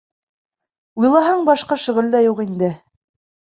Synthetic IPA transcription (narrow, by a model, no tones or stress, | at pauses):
ujlˠɑɦɑɴbɑʃqɑʃŏʁɘ̆ld̪ɑjuqind̪ɘ